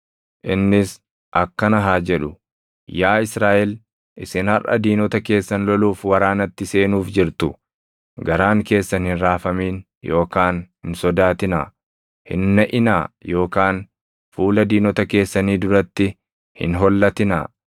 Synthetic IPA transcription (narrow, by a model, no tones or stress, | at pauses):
ʔɪnːɪs | ʔɐkːɐnɐɦaːd͡ʒɛᶑʊ | jaːɪsɾaːʔɛl | ʔɪsɪnhɐrʔɐ̰d̪iːnɔt̪ɐke̞ːsːɐnlɔluːfwɐɾaːnɐt̪ːɪse̞ːnuːfd͡ʒɪɾt̪ʊ | ɡɐɾaːŋke̞ːsːɐnhɪnɾaːfɐmiːn | jo̞ːkaːnhɪnsɔd̪aːt̪ɪna̰ː | hɪ̰nːɐʔɪnaːjo̞ːkaːn | fuːlɐd̪iːnɔt̪ɐke̞ːsːɐniːd̪ʊɾɐt̪ːɪ | hɪ̰nɦɔlːɐt̪ɪna̰ː